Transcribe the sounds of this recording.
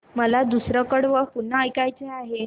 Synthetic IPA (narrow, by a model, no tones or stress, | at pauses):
məlad̪usɾəkəɽʋəpun̤ːəəjkajt͡seaɦe